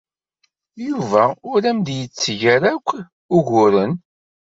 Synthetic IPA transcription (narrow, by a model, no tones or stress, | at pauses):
juvæʊɾæmd̪jət͡sːʝæɾækʷː | ʊʝʊɾən